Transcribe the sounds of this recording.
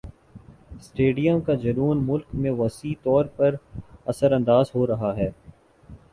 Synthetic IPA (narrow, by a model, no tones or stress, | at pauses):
sʈeːɖijəmkad͡ʒɐɾuːnmʊlkmẽʋɐsiːt̪ɔːɾpɐɾɐsəɾɐ̃nd̪aːzɦoɾɐɦaɦɛː